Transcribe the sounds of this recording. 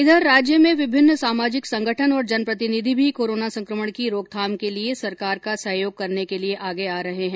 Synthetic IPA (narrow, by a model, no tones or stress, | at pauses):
ɪd̪ʱəɾːaːd͡ʒjəmẽʋɪbʱɪnːsaːmaːd͡ʒɪksɐ̃ŋɡʱəʈʰənɔːɾd͡ʒɐnpɾɐt̪ɪnɪd̪ʱibʱikoːɾoːnasɐ̃ŋkɾəməɽ̃kiɾoːɡ̚t̪ʰaːmkeliesɐɾkaːɾkasɐɦjoːɡ̚kɐɾnekelieʔaːɡeaːɾɐɦeɦɛ̃ː